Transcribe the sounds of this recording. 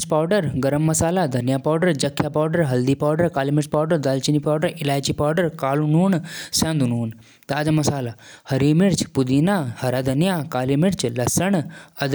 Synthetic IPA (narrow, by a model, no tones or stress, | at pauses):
t͡ʃpaːɖəɾɡɐɾəmːɐsaːlad̪ʱɐnjapaːɖəɾd͡ʒɐkʰːjapaːɖəɾɦɐld̪iːpaːɖəɾkaːlimiɾt͡ʃpaːɖəɾd̪aːlt͡ʃinipaːɖəɾilaːjt͡ʃipaːɖəɾkaːlunuːnsãnd̪unuːn | t̪aːd͡ʒɐmɐsaːlahɐɾiːmiɾt͡ʃpud̪iːnahɐɾad̪ʱɐnjakaːlimiɾt͡ʃlɐsɐɳɐd̪